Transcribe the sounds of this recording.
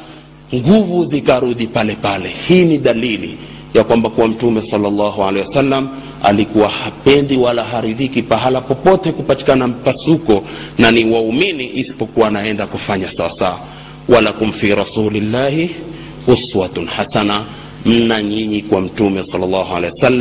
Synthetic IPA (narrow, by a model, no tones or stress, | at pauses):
ŋɡuvuzikaɾuðipalɛpalɛhiːniɗalilḭ | jakwambakuwam̩tumɛsɑlːalːɑɦualɛjwasalːam | a̰likuwahapɛndiwalaɦaɾiðikipaɦalapɔpɔtɛkupati̥kanam̩pasukɔnaniwauminiʔisi̥pɔkuwanaɛndakufaɲasawasaa | wʔalakum̩fiɾɑsuːlilːaːhi | uswatnhasana | m̩naɲiɲikwam̩tumɛsɑlːalːɑɦua̰lɛjwasalːa